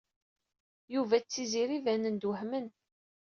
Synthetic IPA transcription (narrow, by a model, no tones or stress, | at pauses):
juvæt͡sːiziɾivænənd̪wəhmən